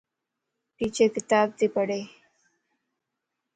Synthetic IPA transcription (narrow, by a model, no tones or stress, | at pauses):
piːt͡ʃekɪt̪aːb̚t̪ipəɽe